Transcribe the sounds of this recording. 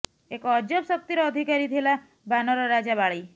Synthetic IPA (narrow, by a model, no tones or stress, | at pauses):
ekɔd͡ʒɔbsɔk̚t̪iɾɔɔd̪ʱikaɾit̪ʰila | banɔɾɔɾad͡ʒabaɭaj